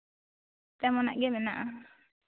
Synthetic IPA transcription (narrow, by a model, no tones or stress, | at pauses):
t̪ɛmɔna̰ʔɡɛmɛnaʔa